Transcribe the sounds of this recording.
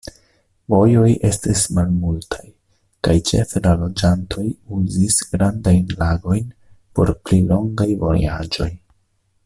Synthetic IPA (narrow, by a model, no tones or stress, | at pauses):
vo̞jo̞jʔe̞stismalmultʰaj | kajt͡ʃe̞̰felalo̞d͡ʒantʰo̞juzisɡ̥ɾandajnlaɡo̞jnpo̞̰ɾplilo̞ŋɡajvo̞̰jad͡ʒo̞j